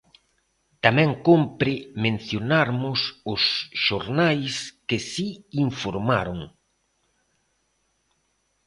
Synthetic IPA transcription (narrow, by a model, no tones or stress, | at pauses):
t̪amɛ̃ŋkompɾɪmẽn̟θjonaɾmʊsʊsʃoɾnajskɪsiːɱfoɾmaɾoŋ